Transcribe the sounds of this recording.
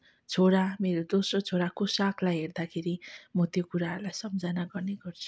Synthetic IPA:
t͡sʰoɽameɾod̪osrot͡sʰoɾakosakʰlajɦerd̪akʰeɾimʌt̪jokuɾaʌɾlajsʌmd͡zʌnaɡʌrneɡʌrt͡sʰu̥

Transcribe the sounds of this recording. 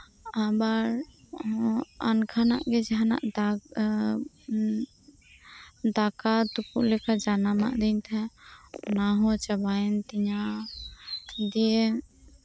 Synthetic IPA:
abaɾ | a̰nkʰana̰ʔɡɛd͡ʒɦana̰ʔd̪a | d̪akat̪ukuʔlɛkad͡ʒanama̰ʔd̪iɲt̪ʰɛ̃naɦɔt͡ʃabajɛnt̪iɲa | d̪iɛ

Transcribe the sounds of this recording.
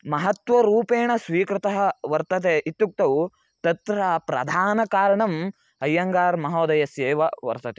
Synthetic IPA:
mɐɦɐt̪ʋɐɾuːpeːɳɐsʋiːkɾɪt̪ɐɦɐ̆ʋɐɾt̪ɐt̪̬eːʔit̪ːuk̚t̪ɐw | t̪ɐt̪ɾɐpɾɐ̰d̪ʱaːnɐkaːɾɐɳɐm | ɐjːɐŋɡaːɾmɐɦoːd̪ɐjɐseːʋɐʋɐ̰ɾt̪ɐt̪e

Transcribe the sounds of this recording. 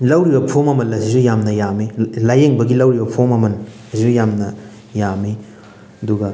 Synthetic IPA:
lɐwɾibɐpʰomɐmɐlɐsizujamnɐjamilajeŋbɐɡilɐwɾibɐpʰomɐmɐn | ɐsizujamnɐ | jami | ɐduɡɐ

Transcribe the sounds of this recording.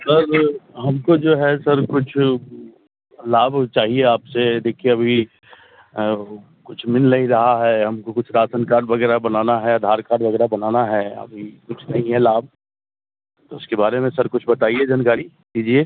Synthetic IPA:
sɐɾɦɐmkod͡ʒoːɦɛsɐɾkʊt͡ʃʰ | laːbʱt͡ʃaːɦieaːpsed̪eːkʰieɐbʱi | kʊt͡ʃʰmɪnlɐɦĩɾɐɦaɦɛɦɐmkokʊt͡ʃʰɾaːsənkaːɾɖʋɐɡɛːɾabɐnaːnaɦɛad̪ʱaːɾkaːɾɖʋɐɡɛːɾabɐnaːnaɦɛːɐ̰bʱikʊt͡ʃʰnɐɦĩɦɛlaːb̚ʱ | t̪oʊskebaːɾemẽsəɾkʊt͡ʃʰbɐt̪aːied͡ʒankaːɾi | d̪iːd͡ʒieː

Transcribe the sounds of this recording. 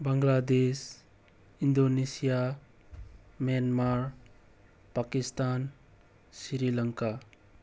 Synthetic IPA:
baŋlad̪es | indonesija | mjanmaɾ | pakistan | siɾilaŋka

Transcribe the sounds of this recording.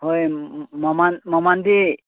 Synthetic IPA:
hojmamanmamande

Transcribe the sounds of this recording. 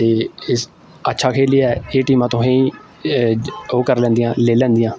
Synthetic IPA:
t̪eːɪs | ətːʃʰaːkʰeːliːɛːeːʈiːmãːt̪õːɦẽĩː | oːkəɾlɛ̃ːnd̪ijãːleːlɛ̃ːnd̪ɪijãː

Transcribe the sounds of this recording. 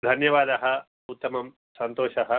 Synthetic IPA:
d̪ʱɐnjɐʋaːd̪ɐɦɐ | ut̪ːɐmɐm | sɐnt̪oːʃɐɦɐ

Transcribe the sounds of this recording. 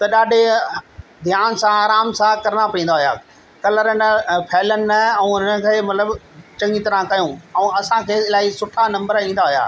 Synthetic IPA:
t̪ɐɗaːɖʱe | d̪ʱjaːnsãaːɾaːmsãkɐɾɽapɐĩːn̆d̪aɦʊja̰ː | kɐləɾənpʰɛːlənɪ̆nɐɛ̃ũɪnə̆kʰeːmɐt̪ləbt͡ɕɐ̃ŋit̪ɾãkɐjũːɛ̃ːɐsãkʰeːɪlaːisʊʈʰanɐ̃mbəɾĩːn̆d̪aɦʊja̰ː

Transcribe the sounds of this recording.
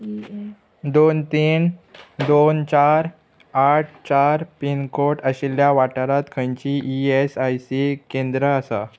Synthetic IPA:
d̪ont̪ind̪ont͡ɕaɾ | aʈʰt͡ɕaɾpinkoʈəɕiljaʋaʈəɾat̪kʰə̃j̃ɲt͡ɕiːʔiesajsikẽnd̪ɾəːsa̰

